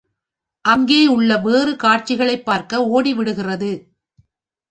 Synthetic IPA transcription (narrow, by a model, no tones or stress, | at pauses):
ʔɐŋɡeːʊɭːɐʋeːrɯkaːʈt͡ʃɪɣɐɭɐɪpːaːɾkɐoːɽiʋɪɽɯɣɪrɐðɯ